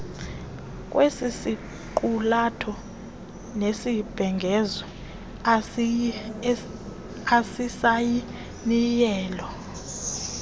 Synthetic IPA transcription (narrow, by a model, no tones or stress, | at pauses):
k̬ʼwesisi | ǃulatʰɔ | nesib̥ʱɛŋɡʱɛzɔ | asisaji | nijɛːlɔ